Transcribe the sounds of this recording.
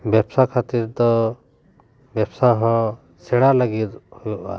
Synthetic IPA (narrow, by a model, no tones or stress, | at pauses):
bjɛbsakʰat̪iɾd̪ɔ | bɛbsaɦɔ̃ | sɛɽaləɡit̪̚hujɔʔa̰